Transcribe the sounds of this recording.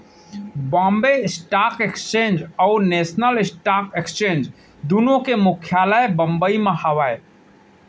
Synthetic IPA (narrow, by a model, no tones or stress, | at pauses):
bãːmbesʈaːkekst͡ʃẽːnd͡ʒɔʊneːsnəlɪsʈaːkekst͡ʃẽːnd͡ʒ | d̪unõkemʊkʰjaːləebə̃mbəimẽhəʋae